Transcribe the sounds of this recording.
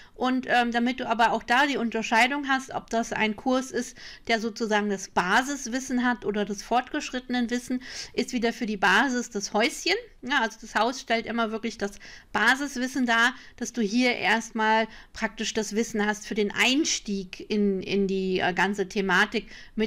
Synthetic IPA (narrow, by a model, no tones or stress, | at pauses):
ʔʊntʔɛːmdamɪt̚d̥uːʔaːbɐaʊxd̥aːdiːʊntɐʃaɪdʊŋɦastʔɔ̰p̚d̥asʔa̰ɪnkʰʊɐsɪstd̥eːɐzoːt͡suzaːɡŋ̩dasb̥aːzɪsv̥ɪsn̩ɦatʔoːdɐdasfɔɐtɡ̥əʃʁ̥ɪtənənvɪsn̩ʔɪstv̥iːdɐfyːɐdiːbaːzɪsd̥ashɔʏsçənnəʔalzod̥ashaʊsʃtɛltʔɪmɐvɪɐklɪçd̥asb̥aːzɪsv̥ɪsn̩daːd̥asd̥uːɦiːɐʔḛːɐstmaːlpʁ̥ak̚tɪʃd̥asv̥ɪsn̩hastfyːɐdeːnʔa̰ɪnʃtiːkɪnɪ̰ndiːʔɡant͡sətʰemaːtɪkmɪ